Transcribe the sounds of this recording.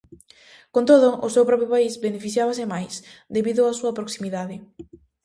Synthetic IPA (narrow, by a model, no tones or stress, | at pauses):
kont̪oðʊʔʊsewpɾɔpjʊpaizbenefiθjaβasɪmajsd̪eβiðʊasuɐpɾoksimiðaðɪ